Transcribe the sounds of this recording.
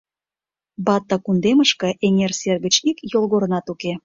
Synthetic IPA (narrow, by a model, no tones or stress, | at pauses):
bɑt̪ːɑkund̪eməʃkɤ̆ʔenʲerserɣə̆t͡ɕikjolɣoɾə̆nɑt̪uke